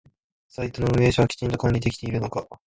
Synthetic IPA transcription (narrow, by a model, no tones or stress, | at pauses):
sait̪onoɯ̟me̞ːɕaβakʲi̥t͡ɕĩnt̪o̞kãɾʲid̪e̞kʲi̥t̪e̞iɾɯno̞ka